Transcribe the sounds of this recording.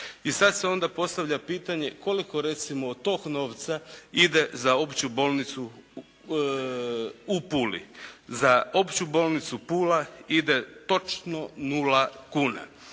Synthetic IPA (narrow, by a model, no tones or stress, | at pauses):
isad̪se̞o̞nd̪apo̞st̪aʋʎapiːt̪aɲe̞ko̞liko̞ɾe̞t̪simoːd̪t̪o̞kno̞ːʋt̪said̪e̞zao̞pt͡ɕubo̞ːlnit̪su | upuːlḭzaopt͡ɕubo̞ːlˠnit̪supuːlaid̪e̞t̪o̞t͡ʃno̞nulakuːna̰